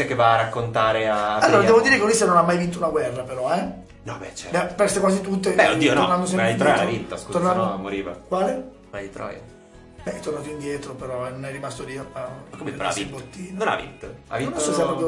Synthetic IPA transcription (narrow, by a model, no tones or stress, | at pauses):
ɛkːevaːrakːont̪aːɾeaalːoːɾaddɛːvod̪iːɾekeulist̪ːanonamːajvint̪ounaɡwɛrːapeɾɔɛ | nɔbɛ̰t͡ʃɛbɛpɛst̪ekwaːzit̪ut̪̬ːebɛoiːononand̪os̬ɛmit̪ɾɔavint̪ːoskut̪onanmoɾiːva̰kwaːle | nad̪it̪ɾɔ̰j̰ | bɛɛt̪ːornaːt̪̬oind̪jɛːt̪ɾopeɾɔɛnonɛjrimast̪oliapːakomea̰sibot̪ːiːnnona̰vḭnt̪oa̰vinːlosɔsɛjapɾɔpjo